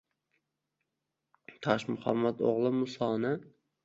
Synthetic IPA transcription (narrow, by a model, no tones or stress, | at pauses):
t̪ʰɑʃmʊχɑ̰mːat̪o̰ʁlˠɨmʊsɑːnɨ